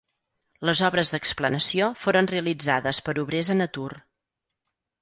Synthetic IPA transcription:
ləzɔβɾəzðəksplənəsiofoɾənreəlid͡zaðəspəɾuβɾezənət̪ur

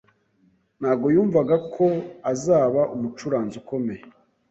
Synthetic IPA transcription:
n̥aːɡo̞juːɱvaɡakʰo̞azaːβaʔumut͡ʃuɾaːnzuko̞mej

